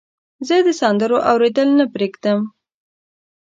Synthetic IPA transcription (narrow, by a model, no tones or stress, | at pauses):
zəd̪əsɑnd̪əɾoʔawɾed̪əlnapɾeɡd̪əm